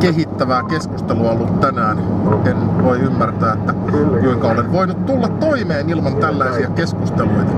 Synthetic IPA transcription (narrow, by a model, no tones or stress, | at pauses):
kehit̪ːæʋæːkeskust̪eluɑolːut̪t̪ænæːnmuenʋoiymːært̪æːet̪ːækuiŋkɑolenʋoinut̪t̪ulːɑt̪t̪oimeːnilmɑnt̪ælːæisiækeskust̪eluit̪ɑ